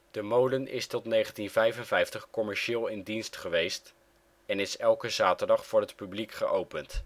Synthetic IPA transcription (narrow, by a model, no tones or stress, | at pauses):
d̥əmowdənɪ̰stɔtnejχəntinvɛjfənvɛjftəχkɔmɛɹʃɪːlˠɪndinstχəʋejst | ɛnɪsɛlˠkəzaːtəɹdɑχfʊːɹɦətpyblikχəʔowpənt